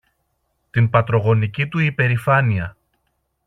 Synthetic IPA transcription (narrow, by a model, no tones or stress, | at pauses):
t̪inpɐt̪ɾo̞ɣo̞nicit̪uipe̞ɾifɐniɐ